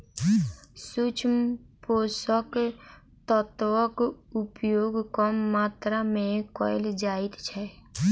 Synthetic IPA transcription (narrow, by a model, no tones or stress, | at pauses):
sut͡ʃʰmpoːsək | t̪ət̪ʋəkʊpjoːɡkəmːaːt̪ɾamẽkɔ̰ːɪld͡ʒaːɪt̪t͡ʃʰɛ